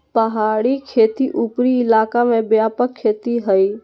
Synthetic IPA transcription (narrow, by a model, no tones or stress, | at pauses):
pəɦaːɽikʰeːt̪iʔupɾiɪlaːkamẽbjaːpəkʰːeːt̪iɦəi